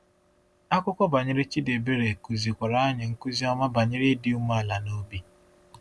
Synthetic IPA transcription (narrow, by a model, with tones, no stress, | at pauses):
a˦kʷʊ˦kʷɔ˦ba˨ɲɪ˦ɾɪ˦t͡ʃi˦de˨be˦ɾe˨ku˨zi˨kʷa˨ɾa˦a˦ɲɪ˨ŋ̩˦ku˦zi˦ɔ˦ma˦ba˨ɲɪ˦ɾɪ˦di˦u˦m˦a˨la˨no˦bi˦